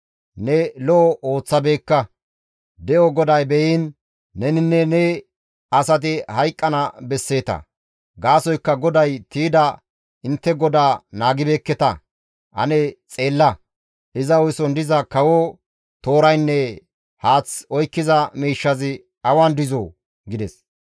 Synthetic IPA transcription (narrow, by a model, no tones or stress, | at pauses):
nɛlɔɔʔo̞ːt͡sːɐbe̞ːkːɐ | d̪ɛʔɔɡɔd̪ɐjbɛjinː | ɛnɪnːɛnɛ | ɐsɐt̪̬ɪhɐjkʼːɐnɐbɛsːe̞ːt̪ɐ̰ | ɡaːsɔjkːɐɡɔd̪ɐjt̪iːd̪ɐ | ɪnt̪ːɛɡɔd̪aːnaːɡɪbeːkːɛt̪ɐ | ʔɐ̰nɛt͡sʼe̞ːlːɐ | ʔɪzɐɔjsɔnd̪ɪzɐkɐwɔ | t̪o̞ːɾɐjnːɛ | haːt͡sɔjkːɪzɐmiːʃːɐzɪ | ɐwand̪ɪzo | ɡɪd̪ɛs